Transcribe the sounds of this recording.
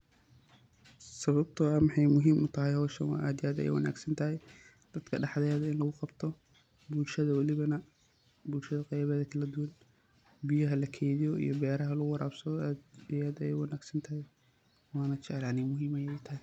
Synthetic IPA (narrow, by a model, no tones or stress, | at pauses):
sɐβɐb̚t̪ʰɔɐmɑħɑjmʊɦiːmʔʊt̪ʰɐɦɛjhɔːʃɐnwɑ̰ːʔaːd̪ɪjaːd̪ɐjɛ̰jwɐ̰na̰ːɡsɐnt̪ʰɐɦɛj | d̪̥ɐd̪kʰɐɖɑħðɛɛðɐɪnlɐɣʊqɑbt̪ʰɔ | bulʃɐðɐwɐlɪβɐnɐ | bʊlʃɐðɐqɛjβɛːðɐkʰɐlɐd̪ʊwɐn | bijɐɦɐlɐkʰɛːðɪjɔḭjɔbɛːɾɐɦɐlʊwɑɾaːbsɐðɔːɪjaːd̪ɐjɛ̰jwɐnaːɡsɐnt̪ʰɐɦɛj | wɑːnɐt͡ʃɛʕlaːnɪmʊɦiːmɐjɛjt̪ʰɐɦɪj